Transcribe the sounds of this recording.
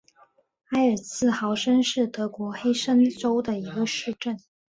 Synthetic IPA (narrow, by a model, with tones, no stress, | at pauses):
a˥ɪə˞˨˩t͡sʰɹ̩˥˩xɑ˧˥ʊʂə˥nʂɻ̩˥˩t̪ɤ˧˥kwɔ˧˥xe˥ɪʂə˥nʈ͡ʂo˥ʊd̪ə˨i˧˥ɡə˧ʂɻ̩˥˧ʈ͡ʂə˥˩n